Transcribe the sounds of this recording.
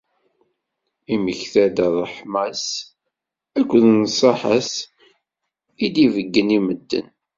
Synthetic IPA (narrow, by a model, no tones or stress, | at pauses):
iməçθæd̪əðˤəħmæs | ækʷːðnsˤɑħəs | id̪ivəɡːəniməd̪ːə̰n